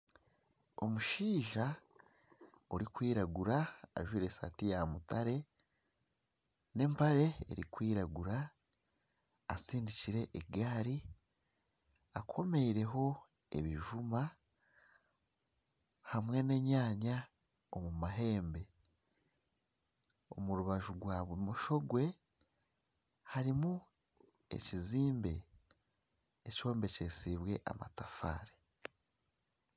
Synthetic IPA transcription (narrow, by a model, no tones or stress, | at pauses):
o̞̰muʃiːʒa | oɾikwiːɾaɡuɾaa̰ʒwiːɾe̞sa̰tijamutaɾe̞ | ne̞mpaɾe̞ḛɾḭkwiːɾaɡuɾa | siːndiciɾe̞ʔeɡaːɾi | akʰo̞me̞iɾe̞ɦo̞ | ḛβiʒuma | hamwe̞ne̞ːɲaːɲa | omumaɦe̞ːmbe̞ | o̞̰muɾuβaʒuɡwaːβwemuʃo̞ɡwe̞ | haɾimu | ḛciziːmbe̞ | co̞ːmbe̞ce̞ːsiβwe̞ʔa̰ma̰tafa̰ːɾe